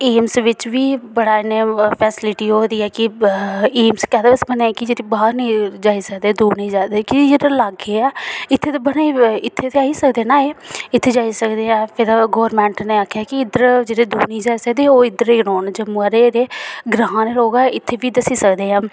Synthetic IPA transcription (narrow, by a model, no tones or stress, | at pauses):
eːmsʋɪt͡ʃʋiːbəɽaːɪneːpʰɛːsɪlɪʈiːɦoːd̪iːɛːkɪ | iːmskɛːd̪eəsbənẽːkɪd͡ʒeːɾibaːɾnĩːd͡ʒaːiːsəkd̪eːd̪uːniːd͡ʒaːd̪eːkid͡ʒeːdelaːɡeːɛːɪt̪ʰːeːt̪eːbənaːiɪt̪ʰːeːt̪eaːiːsəkd̪eːnaːeɪt̪ʰːeːd͡ʒaːisəkd̪eːãːpʰɪɾɡoːəɾmɛ̃ːɳʈneːakʰːjaːkɪɪd̪əɾd͡ʒeːɽeːd̪uːniːd͡ʒaːisəkd̪eːoːɪd̪əɾeːnoːnd͡ʒəməɾeɾeːɡɾãːneːɾoːɡaːɪt̪ʰːeːʋiːd̪əsiːsəkd̪eːãː